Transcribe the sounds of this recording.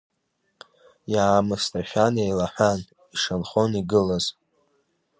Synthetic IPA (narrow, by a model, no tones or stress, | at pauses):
jaːmɨstʰʼaʃʲᶣanejlaħʷᶣan | iʂanχoniɡɨlaz